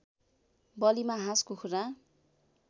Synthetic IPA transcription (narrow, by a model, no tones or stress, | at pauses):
bʌlimaɦãskukʰuɾa